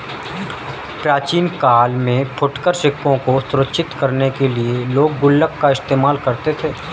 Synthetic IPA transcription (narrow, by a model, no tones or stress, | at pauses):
pɾaːt͡ʃiːnkaːlmẽpʰʊʈkəɾʃɪkːõkosʊɾətːʃʰɪt̪kəɾnekelieloːɡ̚ːʊlːəkːaɪst̪eːmaːlkɐɾt̪et̪ʰeː